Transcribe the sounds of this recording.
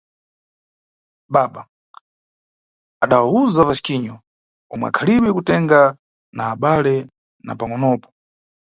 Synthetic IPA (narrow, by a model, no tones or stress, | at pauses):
ɓaɓa | aɗawauzavasi̥kiɲɔ | ɔmwɛ̰a̰kʰaliwɛkutɛŋɡa | naːɓalɛ | na̰paŋɔnɔːpɔ̥